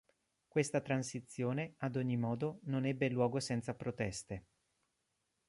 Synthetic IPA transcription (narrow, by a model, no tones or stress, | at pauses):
kwest̪at̪ɾansit̪sːjoːnead̪oɲːimɔːd̪ononɛbːelwɔːɡosɛnt̪sapɾot̪ɛst̪e